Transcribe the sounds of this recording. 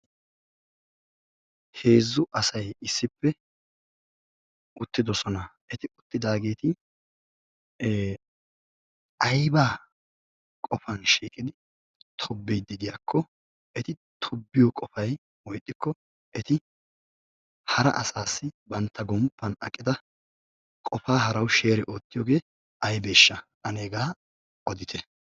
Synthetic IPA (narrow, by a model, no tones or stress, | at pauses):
he̞ːzːʊʔɐsɐjɪsːɪpːɛ | ʊt̪ːɪd̪ɔsɔnɐʔɛt̪ɪʊt̪ːɪd̪aːɡe̞ːt̪ɪ | ɐjbaː | kʼɔfɐnʃiːkʼɪd̪ɪ | t̪ʰɔbːɛjd̪ɪd̪ɪjakʰːɔ | ʔɛt̪ɪ | t̪ʰɔbːɪjɔkʼɔfɐj | wɔjt̪ʼːɪkːɔ | ʔɛt̪ɪ | hɐɾɐ̰ʔɐsaːsːɪbɐnt̪ːɐɡɔmpːɐnɐ̰kʼːɪd̪ɐ | kʼɔfaːɦɐɾɐwʃe̞ːɾɛʔo̞ːt̪ːɪjoːɡe̞ː | ʔɐjbeːʃːɐʔɐneːɡaː | ʔɔd̪ɪt̪ʰɛ